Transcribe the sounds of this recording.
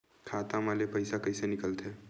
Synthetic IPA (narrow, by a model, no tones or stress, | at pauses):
kʰat̪amalepəɪsakəɪsenɪkəlt̪ʰe